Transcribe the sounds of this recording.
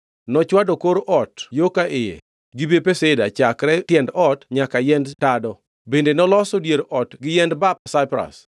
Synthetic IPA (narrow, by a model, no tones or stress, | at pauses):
nɔt͡ʃwadɔkoɾʔɔtjokaʔɪjḛ | ɡɪbepeseda̰t͡ʃakɾɛtjɛndɔtɲakajɛndtadɔ | bendenɔlɔsɔdjeɾʔɔtɡɪjɛndbap̚saɪpɾa̰s